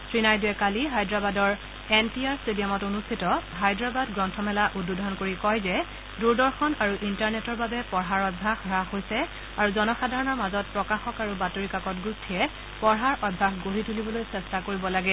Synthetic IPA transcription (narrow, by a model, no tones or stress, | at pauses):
sɹinajduɛkaliɦajdɹabadɔɹ | ɛnpiaɹstedijamɔtonustʰitɔɦajdɹabadɡɹɔntʰɔmɛlaʔududʱɔnkoɹikɔjzɛ | duɹdɔɹxɔnaɹuʔintaɹnɛtɔɹbabɛpɔɹɦaɹɔdbʱaxɹaɦojsɛ | aɹuzɔnɔxadʱaɹɔnɔɹmazɔt̚pɹɔkaxɔkaɹubatoɹikakɔtɡustʰiɛ | pɔɹɦaɹʔɔd̚bʱaxɡoɦitulibɔlojsɛstakoɹibɔlaɡɛ